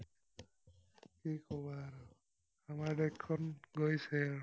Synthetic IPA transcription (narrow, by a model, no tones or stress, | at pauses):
kikɔbaɾ | amaɹdɛkʰːɔnɡojsɛɹ